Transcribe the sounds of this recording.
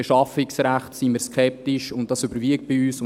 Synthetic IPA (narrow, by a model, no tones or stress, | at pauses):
eʃɑfɪksɾæχtsimiːɾskʰɛp̚tiʃʊnt̚d̥ɑsybəɾviək̚t̚b̥iyːsʊ